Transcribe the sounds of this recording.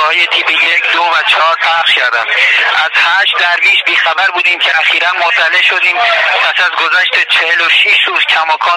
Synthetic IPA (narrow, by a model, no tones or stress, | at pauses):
ɒːhjet̪ʰiːbejecʰd̪ovæt͡ʃʰɒɒːɾpʰæɾʃcʰæɾd̪æmʔæz̥hæʃt̪̚d̪æɾviːʃbiːxæbæɾbuːd̪iːmcʰeæxiːɾænmoɾt̪ʰæle̞ʃo̞d̪iːmpʰæsæzɡo̞zæʃt̪et͡ʃʰeheloʃiʃɾuːzcʲʰæmɒːkʰɒː